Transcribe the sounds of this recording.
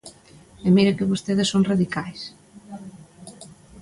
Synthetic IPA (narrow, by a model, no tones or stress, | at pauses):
emiɾekɪβost̪eðɪsoŋraðikajs